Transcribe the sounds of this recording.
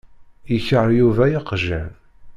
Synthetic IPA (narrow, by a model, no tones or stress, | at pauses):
jəçəɾɾjuvæjiqʒæ̰n